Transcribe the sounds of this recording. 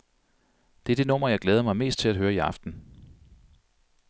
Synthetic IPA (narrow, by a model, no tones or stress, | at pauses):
d̥e̝æɐd̥e̝nɔ̽m̰ɐjɑ̈ɪɡ̥leːðˠɐmɑ̈ɪme̝̰ːsd̥̚t͡sʰe̝æd̥ɦøːɐiɑ̈fd̥n̩